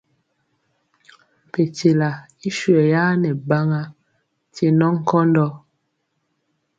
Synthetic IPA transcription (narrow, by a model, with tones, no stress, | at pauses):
m˨pe˨t͡ʃe˨la˨ | i˦ʃɥɛ˨ja˦nɛ˨ba˦ŋa˦ | te˨nɔ˦ŋ̩˦kɔ˦ndɔ˦